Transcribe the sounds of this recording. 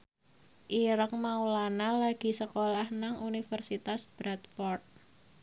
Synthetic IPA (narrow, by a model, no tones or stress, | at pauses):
ʔiɾəkmaulanalaɡ̥i̤səkolahnaŋʔunifərsit̪asb̥ɾat̪̚fɔrt̪̚